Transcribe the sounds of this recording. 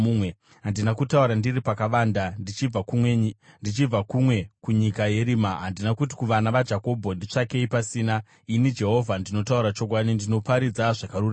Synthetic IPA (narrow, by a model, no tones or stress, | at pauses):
uwe | ɦandinakutauɾandiripakaʋaːndai | ndit͡ʃib͡vakumwe̞kuɲikaje̞ɾiːmaɦandinakut̬i̥kuʋanaʋad͡ʒako̞bʱo̞ndit͡ʂake̞ipasiːna | inid͡ʒe̞ɦo̞vʱandino̞tauɾat͡ʃo̞kwaɗindino̞paɾid͡zaʐakarura